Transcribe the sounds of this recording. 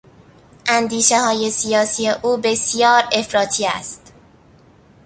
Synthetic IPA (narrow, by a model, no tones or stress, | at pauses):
ʔænd̪iːʃehɒːje̞sijɒːsiːje̞ʔuːbe̞sijɒːɾe̞fɾɒːt̪ʰiːæ̰st̪